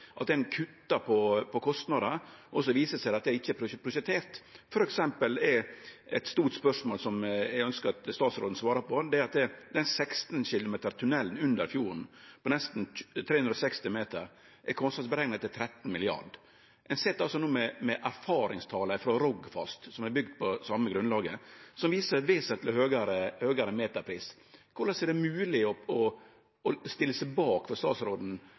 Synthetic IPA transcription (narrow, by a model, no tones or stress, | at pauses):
ʔɑt̪̚d̪ɛnkʰʉt̪ːɑɾpʰɔpʰɔkʰɔst̪nɑd̪əʔɔsɔʋiːsəsæɪɑt̪̚d̪ɛæɪçːəpʰɾʊpʰɾʊʃət̪ʰeːɾt̪fɔɾɛksɛmpəlɛɛt̪st̪uːʈspœʂmoːlsɔmjæɪœnskət̪st̪ɑːt̪sɾo̰ːd̪n̩sʋɑːɾəpɔd̪ɛæɾɑt̪̚d̪ɛd̪ɛnsɛkst̪n̩ɕɪlʊmeːt̪əɾt̪ʰʉnɛlːnʉnd̪əɾfjuːɾn̩pʰɔnɛst̪nt̪ʰɾeːhʉnd̪ɾɔsɛkst̪ɪmeːt̪əɾ | ʔɛkʰɔnsɑt̪sbəɾɛɡnət̪ʰːɪlt̪ʰɾɛt̪ːn̩mɪlɪɑ̰ɖ | ʔɛɪnsɛt̪ːɑlsɔnuːmɛmɛʔæɾfɑːɾɪŋst̪ʰɑːləɪfɾoːɾɔɡfɑ̰st̪sɔmɛɾbʏɡ̚d̪pʰɔsɑmːəɡɾʉnlɑːɡəsɔmʋiːsəɾʋeːsət̪ʰləhøːɡɑɾəhøːɡɑɾəmeːt̪ɑɾpʰɾiːs | kʰʊɾlɑsɛɖ̪ɛmʉːlɪɔɔ | ɔst̪ɪlːəsɛbɑːkfɔɾst̪ɑ̰ːsɾoːd̪n̩